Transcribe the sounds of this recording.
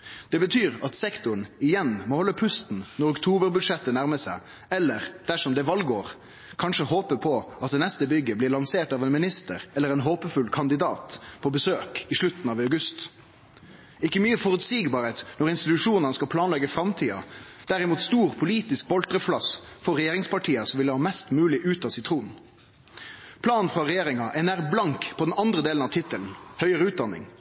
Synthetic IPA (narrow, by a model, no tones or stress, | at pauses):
d̪̥ɛbət̪ʰyːʁɑt̪sɛkt̪ʊəɳ̩ɪjɛnmoːhɔlːəpʰʉst̪n̩nɔʁɔkt̪ʰuːbəɾbʉd̪ʂɛt̪ːənæɾməsæɪ | ɛlːəʁd̪̥æʂɔmd̪ɛʋɑlɡoːɾ | kʰɑnʂəhoːpəpʰɔɑt̪nɛst̪əbʏɡːəbliːɭɑnseːʈɑːʋɛnmɪnɪst̪ə̰ɾɛlːəɾɛnɦoːpəfʉlkʰɑnd̪ɪd̪ɑːt̪pʰɔbəsøːkɪʂɭʉt̪n̩ɑːʋɑʉɡʉst̪ | ɪkːəmyːəfɔʁʉd̪siːɡbɑːɾət̪nɔʁɪnst̪ɪt̪ʉʂuːnənəskɑlpʰlɑːnlɛɡəfɾɑmt̪ʰiːɑ̰d̪̥æɾɪmuːt̪st̪uːʁpʰʊliːt̪ɪsk̚bɔlt̪ʁəflɑsfɔɾʁɛjeːʁɪŋspɑʈʰiːəsɔmʋɪləhɑːmɛst̪mʉːlɪʔʉːt̪ʰːɑːsɪt̪ʰʁuːn | pʰlɑːnfʁɑʁɛjeːʁɪŋɑʔɛnæʁblɑŋkpʰɔd̪ɛnɑnd̪ʁəd̪eːln̩ɑʋt̪ʰɪt̪əln̩hœʏəɾəʉːt̪̚d̪ɑnɪ̰ŋ